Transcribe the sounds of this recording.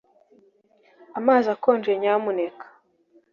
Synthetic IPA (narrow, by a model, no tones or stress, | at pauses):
amaːzakoːnd͡ʒeɲaːmunekḁ